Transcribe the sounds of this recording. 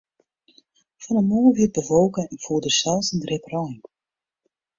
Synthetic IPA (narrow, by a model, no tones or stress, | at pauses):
fɑnənmoːʋɪt̚bəvolˠkənɛnfuːdəsɛlˠsəndrɪprɔjɪŋ